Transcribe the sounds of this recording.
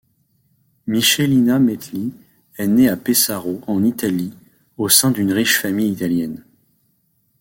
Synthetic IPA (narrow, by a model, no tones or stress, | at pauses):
miʃelinamɛt̪li | ɛneapesaʁoɑ̃nit̪ali | osɛ̃d̪ynʁiʃfamijit̪aljɛn